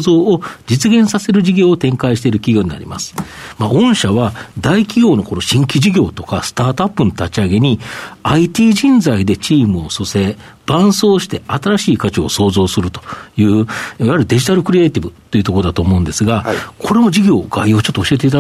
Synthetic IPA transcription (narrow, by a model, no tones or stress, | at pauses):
zo̞ːod͡ʑit͡sɨɡẽ̞ɰ̃sase̞ɾɯ̟ʑiɡʲo̞ːt̪ẽ̞ŋkaiɕi̥t̪e̞iɾɯ̟kʲiɡʲo̞ːɲ̟ina̰ɾʲḭma̰sɨ̥ | maõ̞ɕaβad̪aikʲiɡʲo̞ːnoko̞ɾo̞ɕĩŋkʲiʑiɡʲo̞ːt̪o̞kasɨ̥t̪aːt̪oapːɯ̟not̪at͡ɕiaɡe̞ɲ̟iait̪ʲiːʑĩnd͡zaid̪e̞t͡ɕiːmɯ̟o̞sose̞ | b̥ãɰ̃so̞ːɕi̥t̪e̞at̪aɾaɕiːkat͡ɕio̰so̞ːzo̞ːsɨɾɯ̟t̪o̞̥jɯ̟ːiβaaɾɯ̟d̪e̞ʑit̪aɾɯ̟kɯ̟ɾʲieːt̪ʲibɯ̟t̪ːo̞jiɯ̟t̪okoɾoat̪o̞ːmo̞ɯ̃nd̪e̞sɨɡakʰo̞ɾe̞mo̞d͡ʑiɡʲo̞ːɡ̥aio̞ːt͡ɕot̪ːoːɕie̞t̪̬e̞it̪a